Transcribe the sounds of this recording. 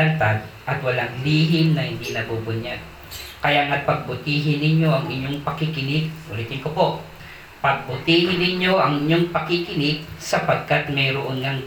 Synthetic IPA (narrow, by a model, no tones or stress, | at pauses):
ant̪ad̪ʔɐt̪wɐlaŋliːɦɪmnɐhɪnd̪inɐbubʊɲad̪̚ | kɐjaŋat̪̚pɐɡ̚bʊt̪iːɦɪnɪɲo̞ʔɐŋɪɲːoŋpɐkɪkɪnɪɡ̚ʊliːt̪ɪnkopo̞ʔ | pɐɡ̚bʊt̪iːhɪnɪɲjo̞ʔɐŋʔɪɲːoŋpɐkɪkɪnɪɡ̚sɐpɐɡ̚kat̪̚mɛjɾoʔonŋaŋ